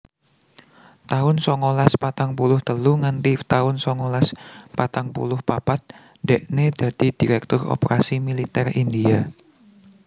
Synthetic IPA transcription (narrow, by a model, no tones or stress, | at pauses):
t̪aʊnsɔŋolaspat̪aŋpulʊht̪əluŋant̪it̪aʊnsɔŋolaspat̪aŋpṵlʊhpapat̪̚ | d̥ɛʔned̥a̤d̪̥i̤d̥iɾɛk̚t̪ʊro̰pɾasimilit̪ɛrindia